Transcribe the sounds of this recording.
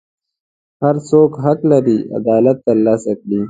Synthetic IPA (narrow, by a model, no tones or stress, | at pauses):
haɾsoːkɦaklaɾia̰d̪ɑːlat̪ːalaːsakɽi